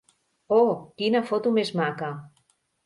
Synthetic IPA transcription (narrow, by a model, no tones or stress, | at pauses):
okinafot̪umezmaka